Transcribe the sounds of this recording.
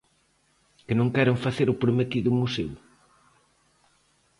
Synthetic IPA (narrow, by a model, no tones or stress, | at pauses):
kɪnõŋkɛɾʊŋfaθeɾʊpɾmet̪iðʊmusew